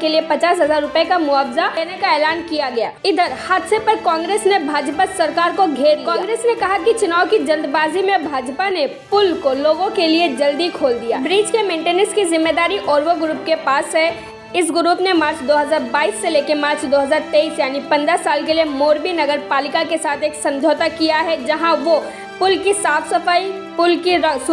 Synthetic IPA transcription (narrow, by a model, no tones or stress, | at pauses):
keliepɐt͡ʃaːsɦɐzaːɾːʊpekamʊaːfzaenekaɛːlaːnkijaɡɐja̰ːɪd̪ʱəɾhaːt̪sepɐɾkɔ̃ːŋɡɾeːsnebʱaːd͡ʒpasɐɾkaːɾkoɡʱeːɾd̪ikãːŋɡɾeːsnekɐɦakit͡ʃʊnaːwkid͡ʒɐ̃nd̪baːzimẽbʱaːd͡ʒpanepʊlkoloːɡõkelied͡ʒɐld̪ikʰoːld̪ijaːbɾiːd͡ʒkemẽːɳʈeːnəɾskizɪmːeːd̪aːɾiʔɔːɾʋoɡɾuːpkepaːsɦɛ | ɪsɡɾuːpnemaːɾt͡ʃd̪oːɦəzaːɾbaːiːsːeleːkemaːɾt͡ʃd̪oːɦəzaːɾt̪eiːsjaːnipɐ̃nd̪ɾəsaːlkeliemoːɾbinɐɡəɾpaːlɪkakesaːt̪ʰeːksɐ̃ɲd͡ʒʱoːt̪akijaɦɛd͡ʒɐɦãʋo | pʊlkisaːfsəfaːi | pʊlkiɾs